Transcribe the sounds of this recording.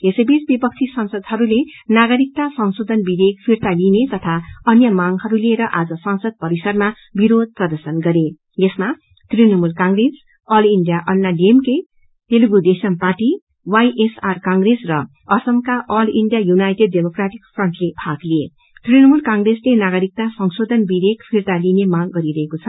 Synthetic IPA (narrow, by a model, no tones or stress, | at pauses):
esʌjbit͡sbipʌk̚t͡sʰisʌnsʌd̪hʌɾulenaɡʌɾik̚t̪asʌwsod̪ʱʌnbid̪ʱek̚pʰirt̪alinet̪ʌt̪ʰaʌnjʌmaŋhʌɾuleɾʌʔad͡zʌsʌnsʌd̪̚pʌɾisʌrma | biɾod̪̚ʱprʌd̪ʌsʌnɡʌɾe | jesma | t̪rinʌmulkãŋɡres | ʌliɳɖijaʔʌnːaliemke | t̪eluɡud̪esʌnparʈi | wajʔesarkaŋɡresrʌ | ʌsʌmkaʔʌliɳɖjajunajʈeɖ̚ːemokraʈikpʰrʌɳʈlepʰaklie | t̪rinʌmulkaŋɡreslenaɡʌɾik̚t̪asʌŋsod̪ʱʌnbibekʰpʰirt̪alinemaɡɡʌɾiɾʌɦekot͡sʰʌ